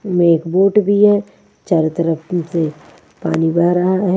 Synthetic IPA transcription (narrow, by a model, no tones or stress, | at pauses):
meːkboːʈbʱiɦɛː | t͡ʃaːɾt̪ɐɾəpse | pa̰ːnibɐɦɾɐɦaɦɛ